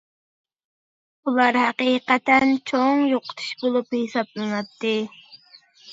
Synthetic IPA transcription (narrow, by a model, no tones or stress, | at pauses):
ʊlɑɾhɑqiːqɑt̪ant͡ʃʰoŋjoqt̪ʰɪ̥ʃbʊlʊphɪsap̚lanap̚t̪ɪ